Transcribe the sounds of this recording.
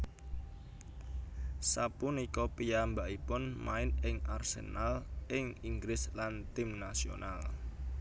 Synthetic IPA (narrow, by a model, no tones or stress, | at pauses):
sapunikɔpijambaʔipʊnma̰ɪnɪŋʔarsḛnalʔɪŋiŋɡlɪslant̪ɪmnasio̰nal